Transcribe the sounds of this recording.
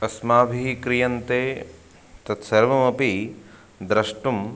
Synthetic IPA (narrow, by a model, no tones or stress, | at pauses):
ɐsmaːbʱiɦikɾijɐnt̪eː | t̪ɐt̪sɐɾʋɐmɐpi | d̪ɾɐʂʈum